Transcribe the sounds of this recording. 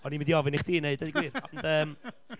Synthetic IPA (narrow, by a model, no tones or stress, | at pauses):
ɔnimɪndiɔvɪniχd̥iːneɨdediɡwiːɾɔndəːm